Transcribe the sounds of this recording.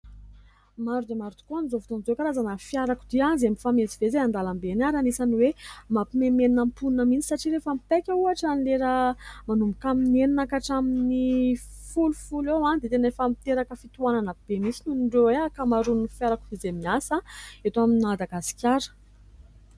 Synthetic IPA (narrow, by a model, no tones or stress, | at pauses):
maɾud̪emaɾud̪i̥koanizovt̪onzokaɾazanəfjaɾakud̪ianzemifamezivezeand̪alambenaɾanisaniwemapimemeninampunnəmint͡si̥saʈ͡ʂiɾefamipekʲəuaʈ͡ʂanleɾəmanumbukamineninakaʈ͡ʂaminifulufulewand̪et̪enefamit̪eɾakəfit̪uwananəb̥emisinunɳɖ͡ʐoeakamaɾunifjaɾakud̪izemiasaet̪oaminad̪aɡasi̥kʲaɾə̥